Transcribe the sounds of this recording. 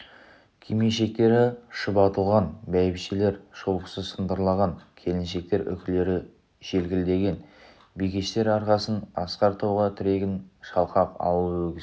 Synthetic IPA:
kʲʰimieʃe̞k̚t̪e̞ɾɪʃəpɑt̪əlˠʁɑnbæjbʃele̞ɾʃolˠqəsəzsənd̪əɾlˠɑʁɑŋkʲʰe̞lɪnʃe̞k̚t̪e̞ɾʔʏ̰kʲɪle̞ɾɪ | ʒ̥e̞lɡʲɪld̪e̞ɡʲe̞n | bijkʲeʃt̪e̞ɾɑɾqɑsənɑsqɑɾt̪ʰowʁɑt̪ʰʏɾe̞ɡʲɪnʃɑlˠqɑqɑ̰wˠəwɵɡʲɪz

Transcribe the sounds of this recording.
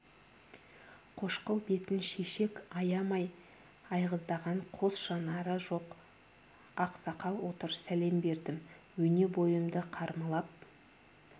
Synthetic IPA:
qʰo̞ʃqəlˠbe̞t̪ɪnʃeʃe̞kɑjɑmɑj | ɑjʁəzd̪ɑʁɑɴqʰo̞sʃɑnɑɾəʒo̞q | ɑqsɑqɑlˠwo̞t̪əɾsæle̞mbe̞ɾd̪ɪmwɵne̞bo̞jəmd̪əqʰɑɾməlˠɑp̚

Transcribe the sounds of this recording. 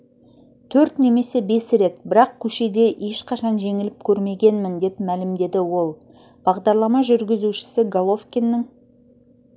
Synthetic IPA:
t̪ʰɵɾt̪ne̞me̞se̞be̞sɾe̞t̪̚bɪɾɑq̚kʲʰɵʃe̞d̪e̞ʔe̞ʃqʰɑʃɑnʒe̞ŋɪlɪp̚kʲʰɵɾme̞ɡʲe̞nmɪnd̪e̞pmælɪmd̪e̞d̪ɪwo̞lˠ | b̥ɑʁd̪ɑɾlˠɑmɑʒʏɾɡʲɪzuʃɪ̥sɪɡolˠo̞fkʲenːɪŋ

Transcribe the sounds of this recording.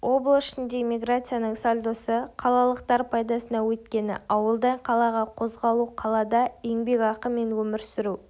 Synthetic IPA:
wʔo̞blˠəsʃɪnd̪e̞mʲiɡɾat̪sɨjanəɴsolʲd̪osəqʰɑlˠɑlˠəqt̪ɑɾpʰɑjd̪ɑsənɑwɵt̪kʲe̞nɪ̰ʔɑwəlˠd̪ɑɴqʰɑlˠɑʁɑqʰo̞zʁɑlˠuqʰɑlˠɑd̪ɑeŋbe̞kɑqəme̞nwɵmɪɾsɪɾu

